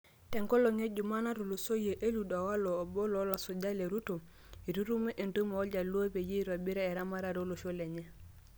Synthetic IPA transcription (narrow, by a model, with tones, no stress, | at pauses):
tɛ˨ŋko˦lo˨ŋe˦ɟu˨ma˦na˦ɾu˨lo˨so˦je˨ʔe˦lu˨da˨wa˦loː˨bo˦lo˦la˨so˨ɟa˦le˨ɾu˦to˨ | i˨ɾu˦ɾu˦me˦ʔe˨ntu˦me˨o˦ɟa˨lo˦pe˨je˦i˦ɾa˨bi˦ɾa˦e˨ɾa˦ma˦ɾa˨ɾo˦lo˨ʃo˦le˨ɲe˦